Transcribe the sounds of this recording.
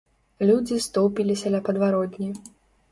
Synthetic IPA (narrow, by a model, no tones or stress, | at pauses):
lʲud͡zʲist̪ɔwpʲilʲisʲɐlʲɐpɐd̪vaɾɔt̪ʲnʲi